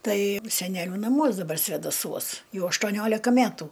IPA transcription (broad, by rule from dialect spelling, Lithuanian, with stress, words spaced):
ˈtɐɪ sʲɛˈnʲæːlʲʊ nɐˈmuɔs dɐˈbɐr sʲʋʲɛdɐˈsuɔs ˈjɛʊ ɐʃtuɔˈnʲoːlʲɪkɐ ˈmʲætʊ